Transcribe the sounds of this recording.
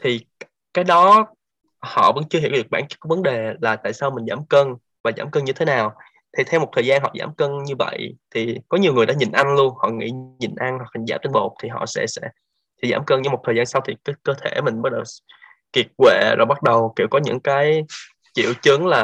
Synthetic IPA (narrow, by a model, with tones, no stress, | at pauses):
t̪ʰi˨˩ | kaː˨˦jɗɔ˨˦ | hɔ̰˧˨və̰˧˥nt͡ɕɨ˧əɦḭ˧˩əwɗɨ˨˩ək̚ɓaː˧˩nt͡ɕk̚ːɔː˧˦və˨˦nɗe˨˩laː˨˩t̪a̰ː˧˨jsaː˧wmï˨˩ŋ̟zaː˧˩˦mkəː˧n | vaː˨˩zaː˧˩mkəː˧nɲɨ˧t̪ʰe˨˦naː˨˩w | t̪ʰi˨˩t̪ʰɛ˧wmo˨˩t̪ʰəː˨˩jzaː˧nɦɔ̰˧˨za̰ː˧˩mkə˧nɲɨ˧və̰˧˨jt̪ʰi˨˩kɔ˨˦ɲi˨˩əwŋɨ˨˩əjɗ̰aː˧˥ɲï˨˩nʔa˧nlu˧ənhɔ̰˧˨ŋḭ˧˥ɲi˨˩nʔa˧nhɔ˨˩kha˨˩ŋ̟zaː˧˩mt͡ɕe˧nɓo˨˩t̚t̪ʰi˨˩ɦɔ̰˧˨sɛ̰˧˥sɛ̰˧˥ | t̪ʰi˨˩zaː˧˩mkəː˧nɲə˧m˨˩t̚tʰəː˨˩jzaː˧nsa˧wt̪ʰi˨˩kɨ˨˦kəː˧t̪ʰe˧˩mï˨˩ŋ̟ɓa˦˥t̚ɗə˨˩w | ki˨˩ət̚kwḛ˧˩˨zo˨˩ɓa˦˥t̚ɗə˨˩wkḭ˧˩əwkɔ˨˦ɲɨ̰˧˥ŋkaː˨˦j | t͡ɕḭ˧˨əwt͡ɕɨ˨˦ŋlaː˨˩